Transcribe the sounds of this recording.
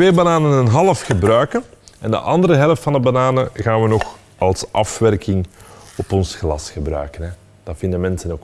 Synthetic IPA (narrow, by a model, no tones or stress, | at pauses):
eːbanaːnənənɦɑlˠəfxəbrœɥkənɛndə̰ʔɑnd̪əɾəɦɛləftfɑndəbanaːnəɣaːnʋənɔx | ɑlˠsʔɑfʋɛrkɪŋɔpɔnsxlɑsxəbrœ̰ɥkənɦɛ | d̥ɑfɪndənmɛnsənok